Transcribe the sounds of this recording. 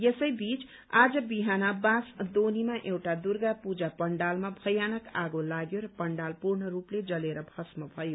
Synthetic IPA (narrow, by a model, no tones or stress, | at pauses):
jesʌjbit͡s | ad͡zʌbiɦanabãsd̪onimaʔewʈad̪urɡapud͡zapʌɳɖalmabʱʌjanʌkaɡolaɡjoɾʌpʌɳɖalpurɳʌrupled͡zʌleɾʌbʱʌsmʌbʱʌjo